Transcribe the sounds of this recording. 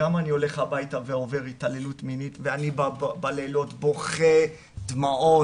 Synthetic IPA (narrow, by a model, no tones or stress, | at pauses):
amanio̞le̞χabajtaveo̞ve̞ʁitalelutminitveanibbalelo̞tbo̞χe | dmaʔo